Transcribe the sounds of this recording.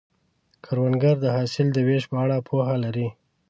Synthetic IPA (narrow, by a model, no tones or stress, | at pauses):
kʰaɾwanɡaɾd̪əɦɑsɪld̪əweʃpəaɽapʰohalaɾi